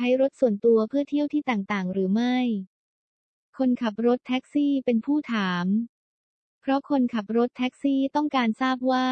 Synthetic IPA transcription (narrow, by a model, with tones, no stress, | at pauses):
t͡ɕʰa˦˥jɾo˦˥t̪̚su˨˩ənt̪u˧ɐpʰɯ˥˩ɐt̪ʰi˥˩əwt̪ʰiː˥˩t̪aː˨˩ŋt̪aː˨˩ŋɾɯː˩˦ma˥˩j | kʰo˧nkʰa˨˩p̚ɾo˦˥t̪ʰːɛ˦˥k̚siː˥˩pe˧npʰuː˥˩t̪ʰaː˩˦m | pʰɾɔ˦˥kʰo˧nkʰa˨˩p̚ɾo˦˥t̪ʰːɛ˦˥k̚siː˥˩t̪ɔ˥˩ŋkaː˧nsaː˥˩p̚waː˥˩